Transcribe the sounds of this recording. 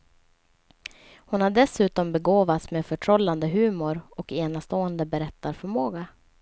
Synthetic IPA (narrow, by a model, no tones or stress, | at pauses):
hʊnhaɖɛsʉ̟ːt̪ɔmbɛɡoːvat̪smeːfœʈʰɾɔlːand̪əɦʉ̟ːmʊɾɔkeːnast̪oːɛnd̪əbɛɾɛt̪ːaɾfœɾmoːɡa